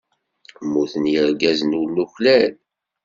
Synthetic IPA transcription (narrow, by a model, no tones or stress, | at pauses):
mːuθənjəɾɡæzənwlːuçlæl